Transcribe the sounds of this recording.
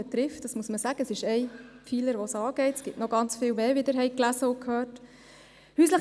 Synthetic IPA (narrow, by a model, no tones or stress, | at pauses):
ɛt̪ɾɪftd̥ɑsmuəsməsæɡ̥əəsɪʃɛɪpfiːləɾʋosɑːɡ̥ɛɪtə̥sɡ̥ɪtnɔɡɑnt͡sfɪːwʋɛːʋɪd̪əɾɦɛɪklæsəʊkʰhøːrt | hyːsləχ